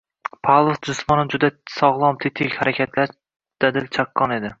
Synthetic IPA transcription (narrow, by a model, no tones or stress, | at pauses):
pʰalˠosd͡ʒʊsmɒnɪd͡ʒʊd̪asɒʁlˠɒmt̪ʰɪt̪ʰɪkʲhaɾakʲʰat̪ʰla | d̪̥ad̪ɪlt͡ʃʰaqʰːɒne̞d̪ɪ